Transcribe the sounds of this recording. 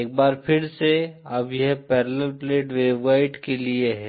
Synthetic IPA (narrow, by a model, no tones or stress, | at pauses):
eːk̚baːɾpʰɪɾseɐbjɛɦpɛːɾləlpleːʈweːbwaːɪʈkelieɦɛː